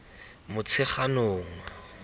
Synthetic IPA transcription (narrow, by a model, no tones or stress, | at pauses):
mʊt͡sʰɪχanʊːŋa